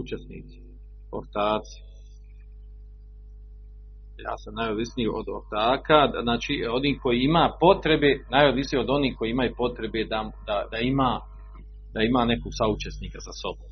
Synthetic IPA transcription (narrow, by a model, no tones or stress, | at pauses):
ut͡ʃesnḭːt̪si̥ | o̰ɾt̪aːt̪si̥ | ja̰ːsamnajod̪ʋisnijeʔo̰d̪oɾt̪aːkaznaːt͡ʃiːo̞niːhko̞jiimaːpo̞t̪ɾe̞beːnajod̪ʋisnijo̞d̪o̞niːhko̞jiimajupo̞t̪ɾe̞bed̪ad̪ad̪aimaː | d̪aimaːne̞koɡsaut͡ʃe̞sniːkazaso̞bo̰ːm